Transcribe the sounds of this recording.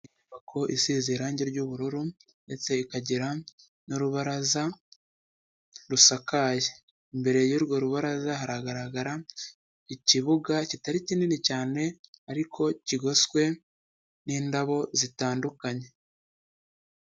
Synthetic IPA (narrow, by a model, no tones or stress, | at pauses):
iuβakʰo̞ʔisiːziɾaːɲɟeɾɟuβuɾuɾu | nde̞t͡se̞ikaɟiɾa | nuɾuβaɾaza | ɾusakaje | imbe̞ɾe̞juɾɡwo̞ɾuβaɾazaɦaɾaɡaɾaɡaɾa | iciβuɡacitaɾicininicaːne̞aɾikʰo̞ciɡo̞skwe̞ | niːndaβo̞zitaːndukaɲe̞